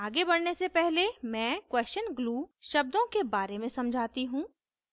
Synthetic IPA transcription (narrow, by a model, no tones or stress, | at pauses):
aːɡebɐɽnesepɛɦlemɛ̃ːkwɛːst͡ʃənɡluːʃɐb̚d̪õkebaːɾemẽsɐ̃md͡ʒʱaːt̪iɦũː